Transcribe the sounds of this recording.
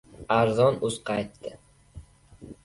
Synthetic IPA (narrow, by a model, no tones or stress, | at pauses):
aɾzɒnʊzqʰɑjt̪ːɪ